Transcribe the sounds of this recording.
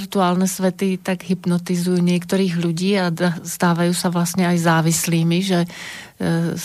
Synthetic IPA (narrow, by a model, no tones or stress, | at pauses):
ɾt̪uaːlnɛsʋɛt̪it̪aɡɦipnɔt̪izujuːɲɪɛkt̪ɔɾiːɣʎuɟiːaast̪aːʋajuːsaʋlastɲɛajzaːʋisliːmiʒɛ